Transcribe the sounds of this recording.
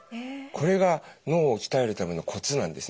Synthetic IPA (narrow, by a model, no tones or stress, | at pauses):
kʰo̞ɾe̞ɡano̞ːokʲi̥t̪ae̞ɾɯ̟t̪ame̞nːo̞kʰo̞t͡sɨnãnd̪e̞sɨ